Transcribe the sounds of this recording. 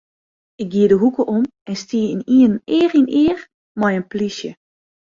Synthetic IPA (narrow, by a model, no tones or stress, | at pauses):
ɪk̚ɡiədəɦukəʔom | ɛnstiːəiniənɪːrinɪːər | mɔjənplisjə